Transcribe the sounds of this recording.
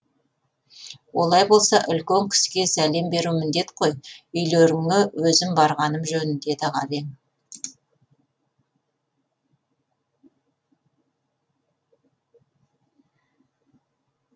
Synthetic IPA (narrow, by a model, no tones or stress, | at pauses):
wo̞lˠɑjbo̞lˠsɑʔʏlkʲeŋkʲʰɪ̥skʲe̞sæle̞mbe̞ɾumɪnd̪e̞t̪qʰo̞jʏjleɾɪŋɪwɵzɪmbɑɾʁɑnəmʒɵnɪnd̪e̞d̪ɪʁɑve̞ŋ